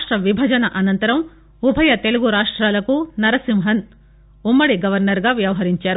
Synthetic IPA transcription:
ʂʈɾɐʋibʱɐd͡ʒɐnɐʔɐnɐnt̪ɐɾɐm | ubʱɐjɐt̪e̞luɡuɾaːʂʈɾaːlɐkunɐɾɐsimɦɐn | umːɐɽiɡɐʋɐɾnɐɾɡaːʋjɐʋɐɦɐɾiɲt͡ʃaːɾu

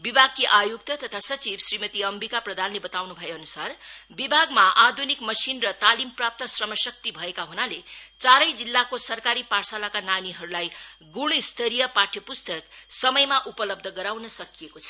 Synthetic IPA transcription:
bibʱaɡ̚kiʔajuk̚t̪ʌt̪ʌt̪ʰasʌt͡sibsrimʌt̪iʌmbikaprʌd̪ʱanlebʌt̪awnubʱʌjeʌnusarbibʱaɡmaʔad̪ʱunikmʌsinrʌt̪alimprap̚t̪ʌsrʌmʌsʌk̚t̪ibʱʌekaɦunalet͡saɾʌjd͡zilːakosʌrkaɾiparsalakananiɦʌɾulajɡuɽ̃st̪ʰʌɾijʌpaʈʰjʌpust̪ʌksʌmʌjmaʔupʌlʌb̚d̪ʱʌɡʌɾawnʌsʌkijekot͡sʰʌ̥

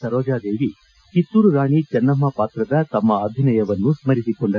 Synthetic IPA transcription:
ɐɾɔːd͡ʒaːd̪e̞ːʋi | kit̪ːuːɾuɾaːɳit͡ʃɐnːɐmːɐpaːt̪ɾɐd̪ɐt̪ɐmːɐaːd̪ʱinɐjɐʋɐnːusmɐɾisikoɳɖɐ

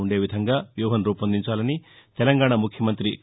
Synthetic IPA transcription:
uɳɖe̞ːʋid̪ʱɐŋɡaːʋjuːɦɐnɾuːpɐnd̪iɲt͡ʃaːlɐnit̪ɛlɐŋɡaːɳamukʰjɐmɐnt̪ɾi

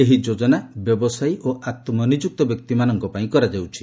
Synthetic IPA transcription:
eɦid͡ʒod͡ʒɔnabjɔbɔsajʔoʔat̪ɔmɔnid͡ʒuk̚t̪ɔbjɔk̚t̪imanɔŋkɔpaĩkɔɾad͡ʒawt͡ʃʰi̥

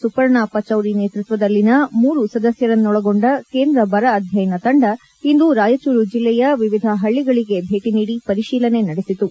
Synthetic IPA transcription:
supɐɾɳaːpɐt͡ʃɐwɾine̞ːt̪ɾit̪ʋɐd̪ɐlːinɐmuːɾusɐd̪ɐsjɐɾɐnːɔɭɐɡo̞ɳɖɐke̞ːnd̪ɾɐbɐɾɐːd̪ʱjɐjɐnɐt̪ɐɳɖɐ | ind̪uɾaːjɐt͡ʃuɾud͡ʒilːɛjɐʋiʋid̪ʱɐɦɐɭːiɡɐɭiɡe̞bʱe̞ːʈiniːɽipɐɾiʃiːlɐne̞nɐɽesit̪u

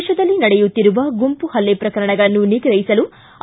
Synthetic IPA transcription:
ʃɐd̪ɐlːinɐɽɛjut̪ːiɾuʋɐɡumpuhɐlːepɾɐkɐɾɐɳɐɡɐɭɐnːuniɡɾɐjisɐlu

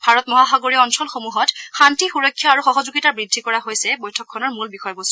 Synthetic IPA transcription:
bʱaɹɔtmɔɦaxaɡoɹiɔnsɔlxomuɦɔtxantixuɹɔkʰːjɔaɹuxɔɦɔzuɡitabɹidʱːikɔɹaɦojsɛbojtʰɔkʰːɔnɔɹmulbixɔjbɔstɔ

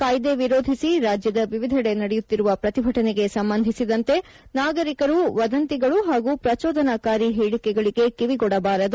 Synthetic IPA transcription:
kɐːjd̪e̞ʋiɾoːd̪ʱisiɾaːd͡ʒjɐd̪ɐʋiʋid̪ʱɐɽe̞nɐɽɛjut̪ːiɾuʋɐpɾɐt̪ibʱɐʈɐneɡe̞sɐmbɐnd̪ʱisid̪ɐnt̪e̞ | naːɡɐɾikɐɾuʋɐd̪ɐnt̪iɡɐɭuɦaːɡupɾɐt͡ʃɔːd̪ʱɐnakaːɾiɦiːɭikɛɡɐɭiɡe̞kiʋiɡɔɽɐbaːɾɐd̪u

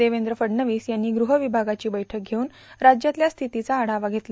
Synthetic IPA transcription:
eʋend̪ɾəfəɽnəʋiːsjanːiːɡɾuɦəʋibʱaɡat͡ɕiːbəjʈʰək̚ɡʱeuːn | ɾad͡ʑjat̪ljast̪ʰit̪it͡saːɽ̤aʋaɡʱet̪l

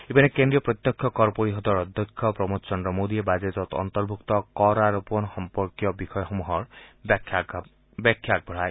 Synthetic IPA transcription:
ebinekend̪ɾijɔpɾɔt̪jɔkʰjɔkɔɾpoɾiɦɔd̪ɔɾɔd̪ʱjɔkʰːjɔpɾɔmut̪t͡ʃɔnd̪ɾɔmod̪iebad͡ʒet̪ɔt̪ɔ̰nt̪ɔɾbʱukt̪ɔkɔɾaɾɔpɔnɔxɔmpɔɾkjɔbixɔjɔxomuɦɔɾʰ | bɛkʰːjak̚bʱɔɽaj

